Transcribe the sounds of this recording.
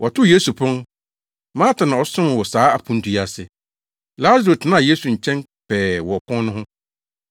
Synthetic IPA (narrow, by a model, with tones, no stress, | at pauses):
ʔɔ˨tʰʊ˦je˦su˨pʰʊ̃˦n | mãː˦tʰã˨nã˨ɔ˨sʊ̃˦m˨wɔ˨saː˨˦a˨pʰũ˦n˦tʰu˨ja˨sɪ˨ | la˦zɾo˨tʰɪ˨nã˦˨je˦sũ˨ɲ̩˨t͡ɕʰɛ̃˦n | pʰɛː˨wɔ˨ɔ˨kʰɔ̃˦n˦nʊ̃˦ɦʊ̃˦